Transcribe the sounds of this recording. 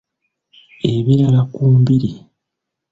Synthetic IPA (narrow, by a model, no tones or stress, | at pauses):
e̞βiɾalakuːmbiɾi